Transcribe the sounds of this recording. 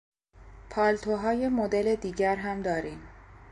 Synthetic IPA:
pʰɒːlt̪ʰoɦɒːje̞mod̪ele̞d̪iːɟæɾɦæmd̪ɒːɾiːm

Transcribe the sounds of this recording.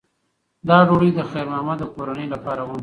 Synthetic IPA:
d̪ɑɖoɽijd̪əxeɾnɑmad̪əkoɾanəjlapɑːɾawəm

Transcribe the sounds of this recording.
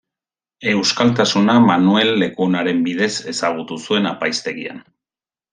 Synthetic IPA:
e̞wskalt̪̬asunamanue̞lːe̞kunaɾe̞mbiðe̞se̞saɣ̞ut̪usue̞napajst̪e̞ɣia̰n

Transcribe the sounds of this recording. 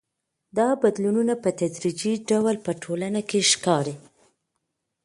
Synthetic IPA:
d̪ɑbad̪lununapət̪ad̪ɾid͡ʒiɖawlpəʈʰolanakeʃkɑɾe

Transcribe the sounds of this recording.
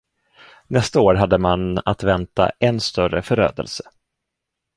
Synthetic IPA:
nɛst̪aoːɾɦad̪ːəmanat̪vɛnt̪a̰ʔɛnst̪œɾəfœɾø̰ːd̪ə̰lsə̥

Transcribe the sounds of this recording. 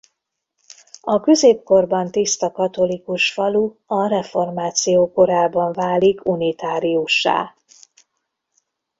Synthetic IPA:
ɒkø̞zeːp̚ko̞rbɒnt̪ist̪ɒkɒt̪o̞likuʃfɒluɒrɛfo̞rmaːt̪sijoːko̞ɾaːbɒɱvaːlikunit̪aːɾiuʃːa̰ː

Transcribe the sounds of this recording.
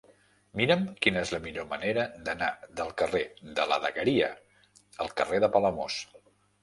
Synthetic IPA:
miɾəmkinəezləmiʎoməneɾəd̪ənaðəlˠkəreðələ̰ðəɣəɾiə | əlˠkəreðəpələmos

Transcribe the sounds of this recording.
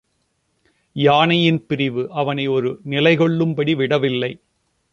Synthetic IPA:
jaːnɐjɪnpɪɾɪʋɯʔɐʋɐnɐɪɔɾɯnɪlɐɪɣɔɭːɯmbɐɽiʋɪɽɐʋɪlːɐɪ

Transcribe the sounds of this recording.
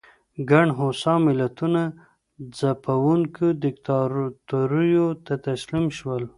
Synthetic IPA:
ɡaɳɖɦosɑmɪlat̪una | zapawuŋkod̪ɪkt̪ɑɾt̪uɾujot̪at̪aslimʃwəl

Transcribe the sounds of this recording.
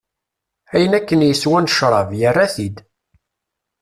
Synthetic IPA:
æjənækːənjəswænʃɾˤɑvjərːæθid̪

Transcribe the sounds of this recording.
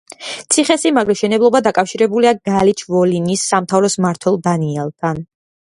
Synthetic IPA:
t̪sʰiχɛsimaɡɾɛʃɛnɛblˠɔbad̪akʼafʃiɾɛbuliaɡalit͡ʃʰvɔlinisːamt̪ʰavɾɔsmaɾt̪ʰwɛlˠd̪aniɛlˠt̪ʰan

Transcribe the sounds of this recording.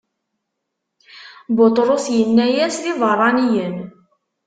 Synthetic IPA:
bot̪ˤɾˤosjənːæjæsliðˤərˤːɑnijən

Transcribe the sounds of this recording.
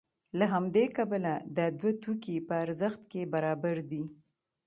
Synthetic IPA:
laɦamd̪ekabəlad̪əd̪wat̪ukipəaɾzəxt̪kebaɾɑbaɾd̪i

